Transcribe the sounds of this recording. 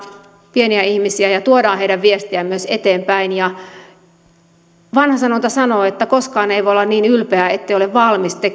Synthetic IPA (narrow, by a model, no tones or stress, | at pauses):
pieniæihmisiæjɑt̪uodɑːheijɾæʋʋiest̪iæmyøset̪eːmpæinjɑ | ʋɑnhɑsɑnont̪ɑsɑnoːet̪ːækoskɑːneiʋoolːɑnniːnylpeæet̪ːeioleʋʋɑlmist̪e